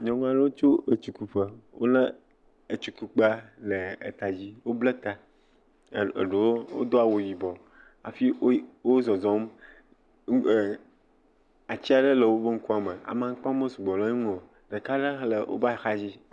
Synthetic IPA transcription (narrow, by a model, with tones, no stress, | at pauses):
ɲɔ̃˨ŋ˦a˦ɖə˦wo˦t͡ʃo˦e˨t͡ʃu˨ku˨ɸə˦wo̰˦lə̃˦ | e˨t͡ʃu˨ku˨k͡pa˦le˨e˨t̪a˨d͡ʑi˦wo˦ble˦t̪a˨ | ɖe˨wo˦wo̰˦d̪o˦a˨wo˨ji˨bɔ˨ | a̰˨fi˦wo˦zɔ˨zɔ̃˨˦m˨ | a˨t͡ɕi˦a˨ɖə˦lə˨wo˦bə˦ŋ̩˦ku˦a˨mə˨a̰˨mã˨ŋ̩˦k͡pã˦mə̃˦su˨ɡ͡bɔ˨lã˦ɲe˦ŋũ˦o˨ | ɖə˨ka˦ɖe˦lə˨wʔo̰˦ba˦˨xa˦d͡ʑi˦